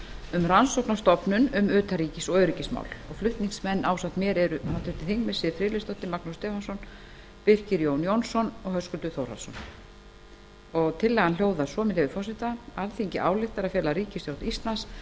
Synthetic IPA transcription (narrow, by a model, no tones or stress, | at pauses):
ʏmransowknast̪ɔpnʏnʏmʏːt̪aɾiːcɪsɔœɥɾiːcɪsma̰ːwlɔɣflʏht̪niŋsmɛnːaːwsaht̪mjɛːɾɛɾʏhat̪ʰʏɾt̪ɪθiŋkmɛsɪːðfɾɪːlɪst̪ɔht̪ɪmaknust̪ɛːfansɔn | pɪr̥cɪɾjoːwnjownsɔnɔɣhœskʏlt̪ʏθowɾa̰sɔ̰n | ɔɣt̪ʰɪlːɛɣanljoːwðasɔːmɪlɛɣðʏfɔsɪt̪aalθiɲcɪʔaːwlɪxt̪aɾaðfjɛːlaɾiːcɪsθɾawt̪ist̪lans